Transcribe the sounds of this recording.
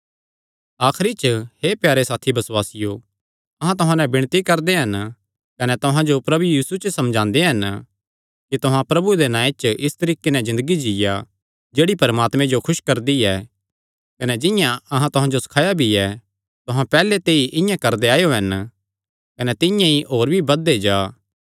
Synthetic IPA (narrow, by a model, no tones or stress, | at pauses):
aːkʰɾit͡ʃhepjaːɾesaːt̪ʰibɐswaːsɪjo | ɐɦãt̪ʊɦãnɛ̃bɪɽ̃t̪ikɐɾd̪eɦɐn | kɐnɛt̪ʊɦãd͡ʒopɾɐbujiːsut͡ʃəsɐ̃md͡ʒãːnd̪eɦɐn | kit̪ʊɦãpɾɐbued̪enãːet͡ʃʔɪst̪ɐɾiːkenɛzɪ̃nd̪əɡid͡ʒɪja | d͡ʒeːɽipɐɾmaːt̪mẽd͡ʒokʰʊʃkɐɾd̪iɛː | kɐnɛd͡ʒɪ̃jãɐɦãt̪ʊɦãd͡ʒosɐ̥kʰaːjabʱiɛ | t̪ʊɦãpɛːlet̪eːiʔɪ̃jãkɐɾd̪eaːjoɦɐn | kɐnɛt̪ɪ̃jãiʔoːɾbʱibɐd̪ed͡ʒaː